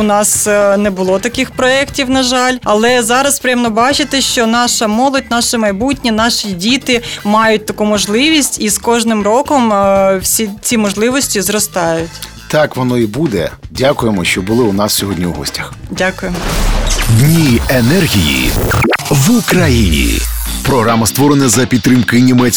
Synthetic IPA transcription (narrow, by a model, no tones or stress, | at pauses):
ʊnɑsnɛbʊlˠɔt̪ɐkɪxpɾɔɛktʲiwnɐʒɑlʲɐlˠɛzɑɾɐspɾʲɪjɛmnɔbɑt͡ʃɪt̪ɪʃt͡ʃɔnɑʃɐmɔlˠɔt̚ʲnɑʃɪmɐjbutʲnʲinɑʃidʲit̪ɪmɑjʊt̚ʲt̪ɐkumɔʒlˠɪʋʲisʲtʲiskɔʒnɪmrɔkɔmwsʲit͡sʲimɔʒlˠɪʋɔsʲtʲizɾɔst̪ɑjʊtʲ | t̪ɑkʋɔnɔibud̪ɛdʲakʊjemɔʃt͡ʃɔbʊlˠɪʊnɑssʲɔɦɔdʲnʲiwɦɔ̰sʲtʲɐxdʲakʊjemɔdʲnʲienɛrɦʲijḭ | ʋukɾɐjinʲḭpɾɔɦɾamɐst̪ʋɔɾenɐzɐpʲid̪t̪ːɾɪmkɪnʲimɛt͡sʲ